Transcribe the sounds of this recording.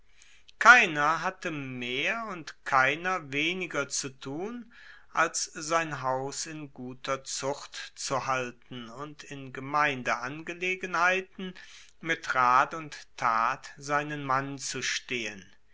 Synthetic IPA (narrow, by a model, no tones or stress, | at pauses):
kʰaɪnɐɦatəmeːɐʊntkʰaɪnɐveːnɪɡɐt͡sutʰuːn | ʔalsz̥aɪnɦaʊsɪnɡuːtʰɐt͡sʊχtt͡suhaltn̩ʊntʰɪnɡəmaɪndəʔanɡəleːɡənhaɪtn̩ | mɪtʁaːtʊnttʰaːtz̥aɪnənmant͡suʃteːən